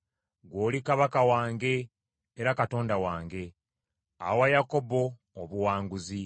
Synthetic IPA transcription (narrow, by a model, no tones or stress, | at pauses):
ɡwo̞ːlikaβakawaːŋɡe̞ː | ɾakato̞ːndawaːŋɡe̞ | a̰wajako̞bo̞ː | βuwaːŋɡuzi